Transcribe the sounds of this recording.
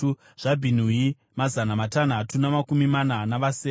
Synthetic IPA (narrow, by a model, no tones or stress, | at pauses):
ʐ̥abʱin̤ui | mazanamatan̤atunamakumimananaʋaseː